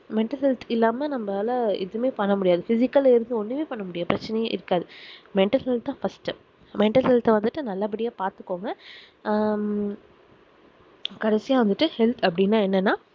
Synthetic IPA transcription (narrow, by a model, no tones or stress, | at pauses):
mɛɳʈɐlhɛlt̪ʰɪlːaːmɐnɐmbɐlɐɪ̰ðɯmeːpɐɳːɐmʊɽɪjaːðɯfɪsɪkːɐlaɪɾɯnd̪ɯɔnːɯʋeːpɐɳːɐmʊɽɪjaːpɪɾɐt͡ʃːɐnɐjɐ̃ʔɪɾɯkːaːðɯmɛɳʈɐlɦɛlt̪ːãːfɐsʈɯ | mɛɳʈɐlɦɛlt̪ɛʋɐnd̪ɯʈːɯnɐlːaːpɐɽɪjaːpaːɾt̪ɯkːoːŋɡɐ | kɐɽɐsɪjaːʋɐnd̪ɯʈːɯhɛlt̪ʰɐpːɐɽɪnːaːɛnːɐnːaː